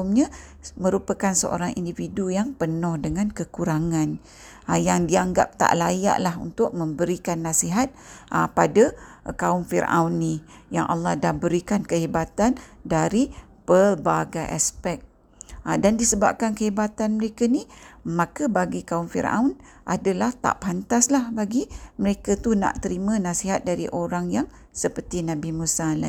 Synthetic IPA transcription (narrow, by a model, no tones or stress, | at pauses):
mɲãmə̃ɾupəkansə̰ʔo̰ɾaŋʔḭndividujaŋpənʊhdəŋãnkəkuɾaŋan | jaŋdiaŋɡa̰p̚t̪a̰ʔlaja̰ʔlaɦṵnt̪ʊk̚mə̃mbəɾikanːasiɦat̪̚əpada | kaʊmfiɾʔa̰wnːijaŋʔa̰lːɑhdahbəɾikankəɦibat̪andaɾi | pəlbaɡaʔa̰spɛk̚ | dandisəba̰p̚kankəɦebat̪anməɾekanimãkəbaɡikaumfḭɾa̰wn | ʔa̰dalaht̪a̰ʔpant̪aslahbaɡiməɾekat̪una̰ʔt̪əɾimə̃nasiɦat̪̚daɾḭʔoɾaŋjaŋ | səpərt̪inabimusala̰